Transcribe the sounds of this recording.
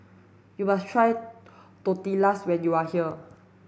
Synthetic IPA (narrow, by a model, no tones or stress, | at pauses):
jumastʰɹajt̪ut̪ilaswɛ̃njuahiə